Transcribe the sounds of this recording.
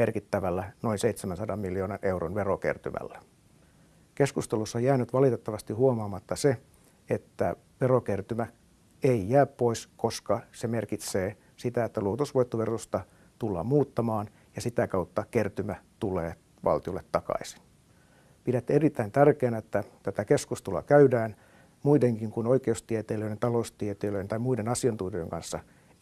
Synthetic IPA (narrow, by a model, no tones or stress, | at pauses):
merkit̪ːæʋælːæno̞inseit̪semænsɑdɑmmiljioːnɑnʔeuronʋerokḛrt̪y̰mʔæ̰lːæ | keskust̪elusːɑjæːnyt̪ʋɑlit̪et̪ːɑʋɑst̪ihuomɑːmɑt̪ːɑse | et̪ːæ | ʋerokert̪ymæ | eijæːppːoiskoskɑsemerkit̪seː | sit̪æet̪ːæluot̪usʋoit̪ːoʋerust̪ɑ | t̪ulːɑ̰ːmuːt̪ːɑmɑːn | jɑsit̪ækɑut̪ːɑkert̪ymæt̪ulḛː | ʋɑ̰lt̪iolːet̪t̪ɑkɑ̰isi̥n | pidæt̪ːerit̪ːæint̪ærkeːnet̪ːæt̪æt̪ækeskust̪ulɑ̰kæydæːn | muideŋkiŋkunoikeust̪iet̪eːløient̪ɑloust̪iet̪eːløjent̪ɑimuidenɑsiɑnt̪uːteeŋkɑ̰nsːɑ